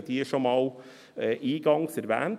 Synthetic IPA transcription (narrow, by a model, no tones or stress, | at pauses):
t̪ʰiːəʂɔmɑʊ | ʔiːɡɑŋsəɾʋæ̰n